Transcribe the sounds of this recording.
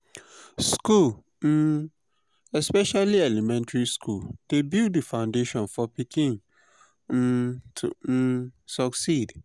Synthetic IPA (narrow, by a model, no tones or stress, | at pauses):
skul̩ | ɛspɛʃaliɛlimɛ̃ntɹiskʰuld̥ebilddifãʊ̃ndeʃɔ̃nfɔpikʰĩn̩ | tʰusɔksid